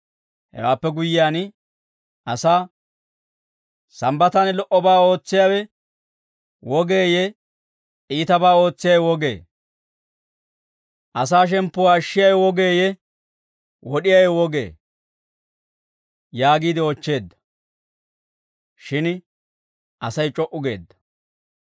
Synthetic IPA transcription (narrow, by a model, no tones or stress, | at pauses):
hɛ̰waːpːɛɡʊjːɪjaːn | ʔɐsaː | sɐmbɐt̪ɐnlɔʔɔbaːo̞ːt͡sːɪjawɛ | wɔɡeːjɛ | iːt̪ɐbaːo̞ːt͡sːɪjɐjwɔɡe̞̰ː | ʔɐs̬aːʃ̬ɛmpːʊwaːʃːɪjɐjɛwɔɡe̞ːjɛ | wɔɗɪjɐjɛwɔɡḛː | jaːɡiːd̪ɪɔt͡ʃːe̞ːd̪ːɐ̥ | ʃɪn | ʔɐsɐjt͡ʃʼɔʔʊɡe̞̰ːd̪ːɐ̥